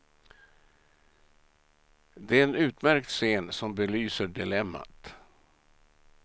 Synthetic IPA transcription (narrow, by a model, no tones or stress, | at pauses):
d̪ɛæɾɛnʉ̟ːt̪mæɾk̚t̪seːnsɔmbɛlyːsəɖɪlɛmːa̰t̪